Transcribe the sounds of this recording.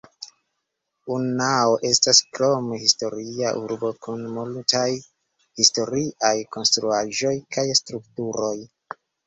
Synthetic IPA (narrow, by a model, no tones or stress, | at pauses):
unaoʔe̞staskɾo̞mhisto̞ɾiaʔuɾbo̞kunmultaj | histo̞ɾiʔajko̞nstɾuaʒo̞jkʰajstɾuktuɾo̞j